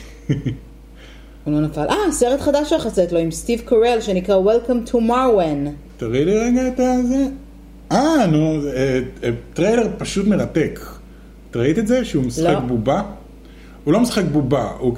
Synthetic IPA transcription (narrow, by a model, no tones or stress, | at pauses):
ulonafalʔaseʁetχadaʃaχaset̪loimstivkoʁelʃenikʁawelkamtʰumawen | t̪aʁiliʁeɡaetaze | anuetʁejleʁpaʃutmeʁatekʰ | taʁait̪etzeʃeumisχek̚buba | ulo̞misχekbubau